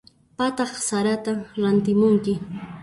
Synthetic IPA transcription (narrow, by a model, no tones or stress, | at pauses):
pat̪ɑχsaɾat̪amɾant̪ɪmʊŋkɪ